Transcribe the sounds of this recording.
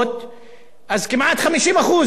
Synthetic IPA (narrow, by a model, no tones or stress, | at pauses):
t̪ | ʔazkɪmʔat̪xamiʃiːmʔaxuːz